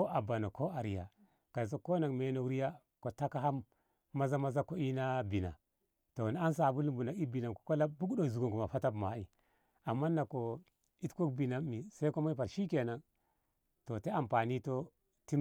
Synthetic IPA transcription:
o˦ʔa˨ba˨no˨ko˦a˨ɾi˨ja̰˨ | ka˨s̬o˦ko˦na˨ŋme˨no˦˨kɾi˦ja˦ | ko˨ta˦ka˦ɦa˦mː | a˦za˦ma˦za˦ko˦i˦na˦bi˨na̰˨ | to˨n˦a˦ns̬a˨bu˦lu˦mbu˨na˨i˦bi˨na˨mko̥˨ko˦la˦bu˦kdo˦˨zu˨ɡo˨ŋku˨ma˨fa˦ta˦bma˨i˦ | a˨mːa˦nːa˨ko˨ | i˦tko˦kbi˨na˨mi˨sa˦i˦ko˦ma˦i˦pa˨ɾʃi˦ke˨na˨ŋ | to˨te˦a˨mpa˨ni˦to˦ | ti˦

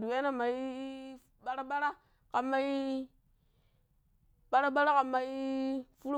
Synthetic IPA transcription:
du˨we˦na˦ma˨i˦ | ɓa˦ɾa˦ɓa˦ɾa˦ | ka˨ma˦i˦ | ɓa˦ɾa˦ɓa˦ɾa˦ka˨mːa˨i˦fu˦ɾu˦

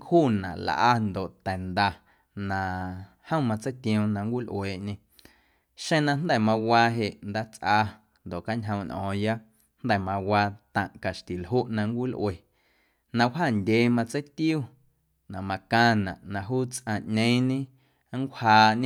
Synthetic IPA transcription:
ŋkhuː˦˨nã˨ʔl̰ʔa˧nd̪o˨ʔt̪ɛ˨nd̪a˧ | nã˨ | hə̃˦wmã˧t͡sə˦jt̪ĩ˧õ˧nã˧ŋkʷi˦˨lʔweː˨ʔɲẽ˧ | ʃẽ˧nã˧nd̪ɛ˦˨mã˧waː˧ɦe˨ʔnd̪aː˦t͡sʔaː˧ | nd̪o˨ʔka˦ɲɦə̃˧w̃nʔɔ̰̃ː˨ja˦ | nd̪ɛ˦˨mã˧waː˧t̪ã̰˨ʔka˨ʃt̪i˨lɦu˦ʔnã˧ŋ˦kʷi˦˨lʔweː˨ | nã˧wɦaː˦˨ndʲeː˨˦mã˧t͡sə˦jt̪ju˦˨ | nã˨mã˧kãː˧nã̰˨ʔnã˧ɦuː˦t͡sʔã˨ʔɲẽ˦ɲẽ˦ | ŋ˦kʷhaː˧ɲ̃˦

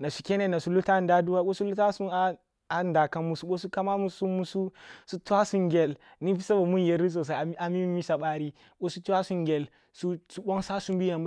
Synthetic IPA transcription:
na˨su̥˨kʲe˦ne˦na˨su˨˦lu˦ta˦˨n˦da˦du˦wa˦ko˦su˦lu˦ta˦su˦a˦ | a˨nda˨ka˦mmu˨su˦ɓo˦su˦ka˦ma˦mu˦su˦mu˦su˦su˦tu˦wa˦su˦ŋɡʲe˨l | ni˦fi˦sa˦ba˨mu˦n˨je˨ɾi˦s̬o˨s̬a˨˦a˨mi˦mi˦sa˨ɓa˦ɾi˦ | ko˦su˦tu˦wa˦su˦ŋɡʲe˨l | su˦su˦ɓo˦ŋsa˦su˦mbi˦ja˨m

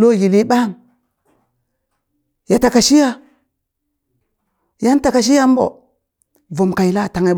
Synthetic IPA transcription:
lo˦˨ji˨li˦ɓa˦˨ŋ | ja˨ta˨ka˨ʃi˦ja˦ | ja˦n˦ta˨ka˨ʃ̬i˦ja˦m˦bo̰˨ | vo˨mka˨i˨la˦˨ta˨ŋa˨b

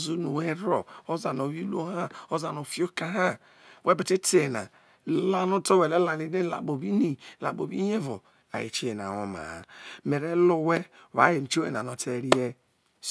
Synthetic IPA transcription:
zu˦nu˨we˦ɾo˨o˦za˨no˨βi˦lu˦o˦ha˦o˦za˨no˨fi˦o˦ka˦ɦa˦ | we˦bi˨te˦te˨na̰˨ | la˦nu˦to˦we˨le˦la˨ni˦ne˦la̰˨k͡po˨bi˦ni˨la̰˨bo˨bi˦je˦vo̰˨ | a̰˨jḭ˨t͡ʃe˦˨na̰˨o̰˦ma̰˨me˨ɾe˦lo˦we˦˨ | βa̰˦je˨n̩˨t͡ʃo˦ḛ˨n˨a˨no˨tʰe˦ɾi˦je˦

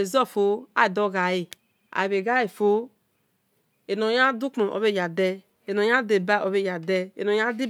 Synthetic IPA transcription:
e˨zɔ˦˨fo˨˦a̰˨i˨do˦ɡa˨ji˨ | a̰˨i˨be˨ɡa˦i˨fo˦ | e˨no˨ja˦du˦k͡pmo˨ʔo̰˨βe˦˨ja˨dɛ˦ | e˨no˨ja˦de˨ba˦o˨βe˦˨ja˨dɛ˦ḛ˨no˨ja˦di˦

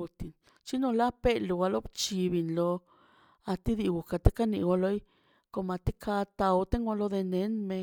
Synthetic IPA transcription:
u˧t̪i˨n | t͡ʃi˦no˧la˦pe˦lu˨wa˧lo˦bt͡ʃi˧bi˧nlo˧ | a˧t̪i˦d̪i˧ɡu˨ka˧t̪e˦ka˦nḭ˧ɡo˧lo˦j | ko˧ma˧t̪i˦kʰa˧t̪a˧wt̪e˦ŋa˧lo˧d̪e˧ne˨˦nme˧

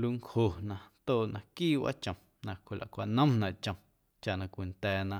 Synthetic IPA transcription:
lu˧ŋkho˨nã˧nt̪oː˦˨nã˧kiː˦˨wa̰˦t͡ʃə̃˨m | nã˧kʷi˨lʔa̰˨kʷa˧˨nə̃˦mnã˨ʔt͡ʃə̃˧ | t͡ʃa˨ʔnã˧kʷi˨nt̪ɛː˨nã˧

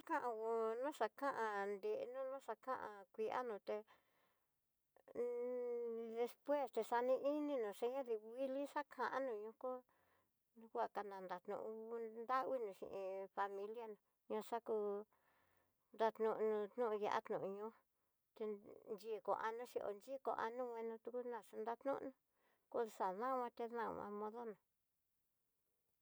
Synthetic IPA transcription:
a˦kã˦ʔã˧wo˧nũ˦ʂa˧kã˦ʔã˧nd̪e˨ʔnũ˦nũ˦ʂa˧kã˦ʔã̰˧kʷi˧ʔa̰˦nũ˧t̪e˧ | ðe˧spwe˦˨st̪e˧sa˧nĩ˧ʔi˦nĩ˦nũ˨ʂe˦ɲã˦ði˧wi˦li˦ʂa˦kʰã˧˨ʔã̰˦nũ˧˨ɲũ˧˦ko˦ | nũ˦kʷa˦˨ka˧nã˨nd̪a˨t̪nṵ̃˧ʔũ˧nd̪a˦wi˦nũ˧ʃḭ̃˧ʔĩ˧fa˧mĩ˧lja˦nũ˨ | ɲã˧ʂa˦ku˧ | nd̪a˧t̪nũ˧ʔnũ˧t̪nũ˦˧ja̰˧˨ʔa̰˦t̪nũ˨ʔũ˧ɲũ˦ | t̪e˧nd͡ʒi˦˧˨ko̰˨ʔa˧nũ˦ʃi˧ʔo̰˧nd͡ʒi˦˧ko̰˧˨ʔa˧nũ˦wʷẽ˧nũ˧t̪u˧ku˦nã˨ʂu˧nd̪a˦t̪nṵ̃˦˧nũ˧ | ko˧˦˧sa˨ðã˦˧wʷã˧t̪e˧ðã̰˦˨wã̰˧mõ˧ðo˦nũ˨

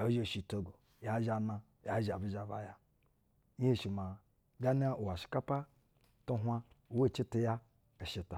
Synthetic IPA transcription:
a˨˦ʒe˦˨ʃi˨to˦ɡo˨ | ja˨˦ʒa˨˦na˦ | ja˨˦ʒa˨bi˦d͡ʒa˨va̰˨ja˦ | i˦e˦ʃi˨ma˨ | ɡa˦n˦a˦ʔu˨wa˨ʃi̥˨˦ka˦pa˦ | to˦ɦʷa˦ | u˨we˦˨t͡ʃi˦ti˦ja˦ | e˨ʃi˨ta˨

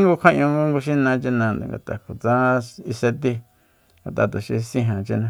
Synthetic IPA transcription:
ŋɡu˧kʷʰa˦ʔɲ̃ũ˧ŋɡu˦ŋɡu˧ʃ̬ĩ˦nã˧t͡ʃi˦nã˧n̰˨ŋɡa̰˨t̪a̰˨kʰo˨t͡sã˦i˧se˧t̪i˧ | ŋɡa˧t̪a˧t̪u˨ʃḭ˧sĩ˧ɦã˨t͡ʃi˦˧nã˧

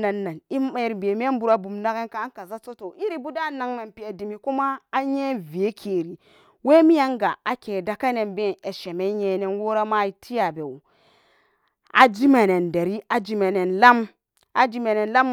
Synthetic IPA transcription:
a˨nːa˨ni˦a˦˨ɾbe˨m˦e˦bu˨ɾa˨bu˨mna˦ke˦nka˦ŋ˦ka˨za˦so˦to˨ʔi˦ɾi˨bu˦da˦˨na˨ŋme˨npi˨a˨di˨mi˨ku˦maː˦je˦vi˨e˦kʰe˨ɾi˨ | we˦mi˦ja˦ŋɡa˨a˨ke˨da˨ka˦ne˨nbe˦˨ne˨ʃe˨me˦ɲe˨ne˦nwo˦ɾa˦ma˦i˦tʰi˦ja˨be˨wu˨ | a̰˨d͡ʒi˦ma˨ne˨nde˨ɾi˦a˨d͡ʒi˨me˨ne˨nla˦m | a˨d͡ʒi˦me˨ne˨nla˦m

